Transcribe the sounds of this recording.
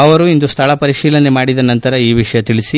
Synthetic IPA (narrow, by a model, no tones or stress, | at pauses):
ɐʋɐɾuind̪ust̪ʰɐɭɐpɐɾiʂiːlɐnemaːɽid̪ɐnɐnt̪ɐɾɐiːʋiʂɐjɐt̪iɭisi